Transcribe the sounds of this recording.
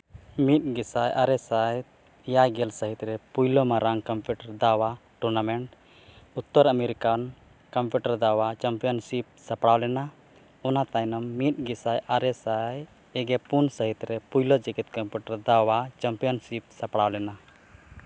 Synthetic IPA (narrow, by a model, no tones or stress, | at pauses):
mit̪̚ɡisajʔaɾɛsaj | jaɡɛlsəɦit̪ɾɛpujlɔmaɾaŋkɔmpjuʈəɾd̪awaʈuɾnamɛɳʈ̚ | ut̪ːɔɾəmɛɾikan | kəmpjuʈəɾd̪awat͡ʃampijɔnsip̚sapɽawlɛna | ɔnat̪ajnɔmːit̪̚ˀɡisajʔaɾɛsaj | ɛɡɛpunsəɦit̪ɾɛpujlɔd͡ʒiɡit̪̚kəmpjuʈəɾd̪awat͡ʃampijɔnsip̚sapɽawlɛna